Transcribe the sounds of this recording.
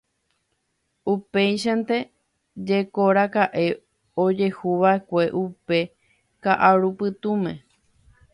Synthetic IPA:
upejʃãnt̪e̞ | d͡ʒe̞koɾakaʔe̞ | od͡ʒe̞huʋae̞kʷe̞ʔupe̞ | kaʔaɾupɨt̪ũmẽ

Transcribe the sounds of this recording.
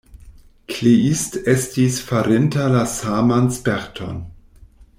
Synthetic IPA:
kʰliistestisfaɾentalasamanspɛɾtʰo̰n

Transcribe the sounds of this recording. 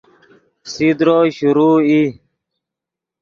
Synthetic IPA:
sid̪ɾoːɕuɾuːi

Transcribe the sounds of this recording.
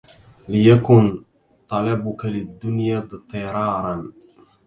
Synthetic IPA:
lɪjakʊn | t̪ˤɑlabʊkalɪd̪ːʊnjaːt̪ˤɨɾˤɑːɾˤɑn

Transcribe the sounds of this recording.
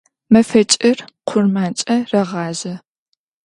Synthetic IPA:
mɐfɐt͡ʃʼɐrqʷʰʊrmaːnt͡ʃʼɐrɐʁɑːzɐ

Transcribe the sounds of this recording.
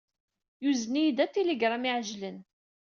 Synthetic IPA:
juznijd̪æt̪ːiliɡɾˤamiʕʒlən

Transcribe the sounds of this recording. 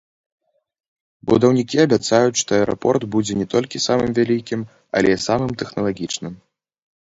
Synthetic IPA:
bṵd̪ɐwnʲikʲiɐbʲat̪sajut͡sʲʂt̪ɔɛɾɔpɔrd̪bud͡zʲɛnʲɛt̪ɔlʲkʲisamɨmvʲalʲikʲim | ɐ̰lʲɛsamɨmt̪ɛxnɐlˠaɣʲit͡ʂnɨm

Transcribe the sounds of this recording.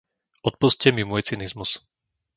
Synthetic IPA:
ɔt̪̚puscɛmimuɔjt͡sinizmus

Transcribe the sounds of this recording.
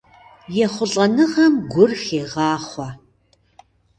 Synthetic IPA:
jɛχʷʊɬʼɐnɨʁɐmɡʷʊrxeːʁɑːχʷɐ

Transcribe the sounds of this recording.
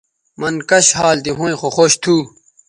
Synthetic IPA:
mɐnkɐɕhaːld̪iɦõĩxoxoːɕt̪ʰuː

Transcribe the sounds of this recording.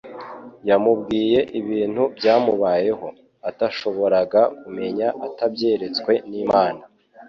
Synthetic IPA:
jamubɡiːje̞ʔiβiːn̥hubjaːmuβaːje̞ho̞ | ataʃo̞βo̞ɾaɡakume̞ɲaʔatabɟe̞ːɾe̞t͡skwe̞niːmaːna

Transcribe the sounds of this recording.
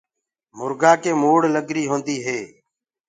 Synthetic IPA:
mʊɾɡaːkeːmoːɽləɡɾiːɦõːnd̪iːɦeː

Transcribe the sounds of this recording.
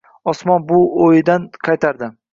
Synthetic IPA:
ɒsmɒnbʊojɪd̪anqʰɑjt̪ʰaɾd̪ɪ

